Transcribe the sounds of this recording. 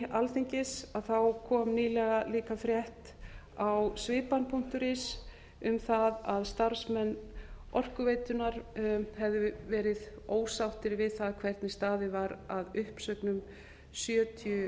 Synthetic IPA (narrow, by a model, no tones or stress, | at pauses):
alθejɲcɪsaðθawkʰɔːmniːlɛɣaliːkafɾjɛht̪ | awsvɪːpanːpʰun̥t̪ʏɾɪs | ʏmθaðaðst̪aɾ̥smɛnːɔr̥kʏveːjt̪ʏnaɾhɛvðʏvɛːɾɪð | oːwsawht̪ɪɾvɪðθaðkʰv̥ɛɾt̪nɪst̪aːðɪvaɾaðʏhpsœknʏm | sjœːt̪ʰiʏ